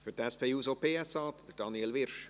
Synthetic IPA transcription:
fytɛspʰeːuːsopeːɛsɑːd̥̪əd̥ɑniɛlʋɪɾʃ

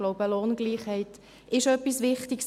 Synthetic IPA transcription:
lɔʊbəloːnɡliːχhɛɪt | ɪʃœpːisʋɪχtɪks

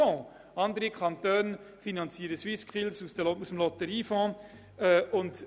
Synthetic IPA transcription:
ɔ̃ː | ɑnd̪əɾikʰɑnt̪øːnfinɑnt͡siəɾəswɪskχilsusd̥əɔusəmlɔt̪əɾiːfɔ̃ː | ɛʊnd

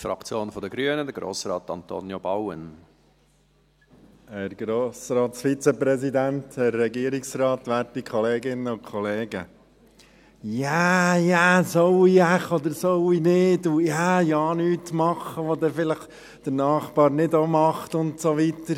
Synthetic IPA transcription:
fɾɑ̰kt͡sjoːnfɔd̪əɡɾyənəd̪əɾɡɾo̰ːsrɑ̰ːt̪ɑ̰nt̪o̰njobawə̰n | hæɾɡ̥ɾoːsɾɑːt̪sfit͡səpɾɛsid̪ænt̪hɛɾːɛɡiːɾiksrɑːt̪ʋæːɾtikʰɔleːɡɪnəʊkʰχɔleːɡə | jæjæːsowiæχɔd̪əɾsowinɪdujaːjɑːnyːtmɑχəʋod̪ɛfɪləχ | d̪̥ənɑːχb̥ɑːɾnɪdomɑχt̪ʊntsoʋit̪əɾ

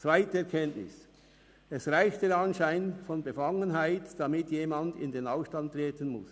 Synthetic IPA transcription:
t͡sv̥aɪtəɛɐkʰɛntnɪ̰s | ɛsʁaɪçtd̥eːɾɑnʃaɪnfɔnbəfɑŋənɦaɪtd̥amɪtjeːmɑndɪ̰ndenaʊfʃtɑnttːʁeːtənmʊ̰s

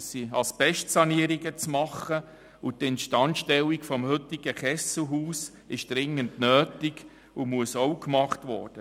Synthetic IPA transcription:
siɑlsb̥ɛʃtsɑniəɾiɡət͡smɑχə | utɛntʃtɑntʃtɛlikfɔmhʏtɪɡ̥əχɛsl̩ɦuːs | ɪʃd̥ɾɪŋːəntnøːtɪɡ̥ | umuəsɔwkmɑχtʋɔ̰ɾd̥ə

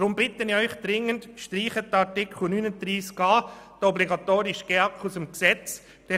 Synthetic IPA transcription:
d̥ɾʊmbɪtənɪœʏχd̪̥ɾɪŋəntʃtɾiːχətɑɾtɪkʰχl̩nyːnəd̪ɾiːskɑːd̥əɔbliɡɑtoːɾɪʃɡ̥eɑkχusəmksɛt͡s | d̥ɛ

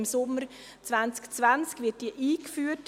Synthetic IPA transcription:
msʊmːəɾ | t͡svant͡skt͡svant͡skvɪt̚d̥iːəʔiːkfyːət

